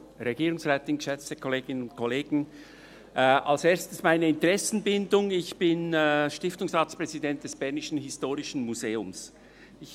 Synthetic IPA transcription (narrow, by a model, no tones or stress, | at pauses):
ʁeɡiːɾʊŋsʁɛːtɪnɡ̥əʃɛt͡stəkʰoleːɡ̥ɪnənʊntkʰoleːɡn̩ | ʔʔalseːɐstəsmaɪnəɪntəʁɛsn̩bɪndʊŋɪçb̥ɪnːʃtɪftʊŋsʁaːtspʁ̥ɛzidɛnt̚d̥ɛsb̥ɛʁnɪʃn̩ɦɪstoːʁɪʃn̩muzeːʊms | ɪç